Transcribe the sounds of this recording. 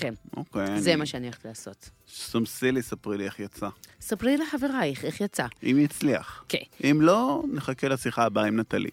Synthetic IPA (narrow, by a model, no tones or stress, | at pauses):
kenʔo̰kejanzemaʃeanio̥t̪ilaːso̞t̪somsilisapʁilieχjat͡sasapʁilileħaveʁaeχeχjat͡saʔimjit͡slia̰χkeʔimloneχakelasiχaːbaimnat̪alʔḭ